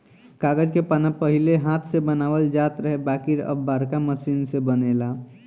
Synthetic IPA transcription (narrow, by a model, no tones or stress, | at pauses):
kaːɡəd͡ʒkepənəpəɦileɦat̪ʰsebənaːʋəld͡ʒaːt̪ɾəɦebakiɾə̰bbaɾkaməsiːnsebənela